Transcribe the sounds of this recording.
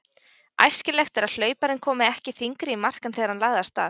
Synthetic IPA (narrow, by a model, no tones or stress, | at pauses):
a̰jscɪlɛxt̪ɛɾaðl̥œːɥpaɾɪnkʰɔːmɪɛhcɪθiŋkɾɪimar̥kanθɛːɣaɾ̥hanlaːɣðast̪a̰ːθ